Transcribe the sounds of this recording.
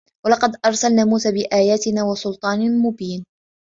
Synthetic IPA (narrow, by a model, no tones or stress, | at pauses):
wɑlɑqɑd̪ʔɑɾˤsalnaːmuːsaːbɪʔaːjaːt̪ɪnaːwɑsʊlt̪ˤɑːnmʊbiːn